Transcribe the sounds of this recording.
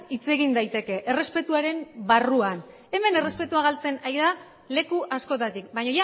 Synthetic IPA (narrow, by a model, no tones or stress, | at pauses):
it͡se̞ɣind̪ajt̪e̞ke̞ʔere̞spe̞t̪uaɾe̞mbaruan | e̞me̞ne̞respe̞t̪uaɣ̞alt͡se̞najða | le̞kuʔasko̞t̪at̪ikbaɲo̞ʝa